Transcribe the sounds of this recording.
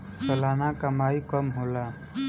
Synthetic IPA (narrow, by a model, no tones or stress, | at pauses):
səlanakəmajkʌmɦola